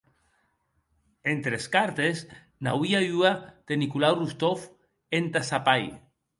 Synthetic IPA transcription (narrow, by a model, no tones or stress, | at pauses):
ent̪ɾeskaɾt̪es | na̰wiauad̪̥enikulawrust̪of | ent̪asapaj